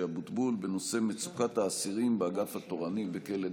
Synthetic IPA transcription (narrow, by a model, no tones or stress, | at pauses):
abut̪bulbeno̞se̞met͡sukat̪haːsiʁimbeaɡafhat̪o̞ʁanibeke̞le